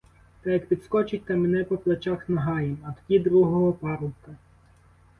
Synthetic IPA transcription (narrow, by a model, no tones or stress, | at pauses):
t̪ɛjɐkpʲid̪skɔt͡ʃɪt̚ʲt̪ɐmɪnɛpɔplˠɐt͡ʃaxnɐɦɑjemɐt̪tʲid̪ɾuɦɔɦɔpɑɾʊkɐ